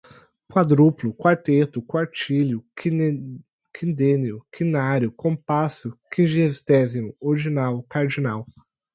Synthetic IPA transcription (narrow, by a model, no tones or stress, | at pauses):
kwad̪ɾuplʊkwaɾt̪et̪ʊkwaɾt͡ʃilʊ | kʰĩnd̪ẽniʊkʰĩnaɾjʊkõpasʊkĩʒiezt̪ɛzimʊoɾd͡ʒinawkaɾd͡ʒinaw